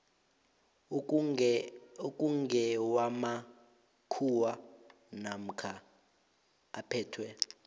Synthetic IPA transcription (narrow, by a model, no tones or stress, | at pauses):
okʼuŋɡɛwama | kʰuwa | nam̩kʰa | pʰɛːtʰwɛ